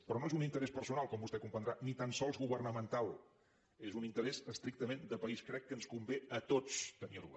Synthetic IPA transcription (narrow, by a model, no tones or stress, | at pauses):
pɾɔnoezunint̪əɾɛspərsunalˠkɔmbust̪ɛkumpənd̪ɾanit̪ansɔlˠzɣuβərnəmənt̪alˠ | ezunint̪əɾɛzəst̪ɾik̚t̪əmend̪əpəiskɾɛkːənskumbeət̪ot͡st̪əniɾṵ